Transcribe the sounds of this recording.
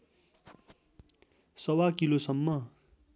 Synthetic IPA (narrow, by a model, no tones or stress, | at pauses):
sʌwakilosʌmːʌ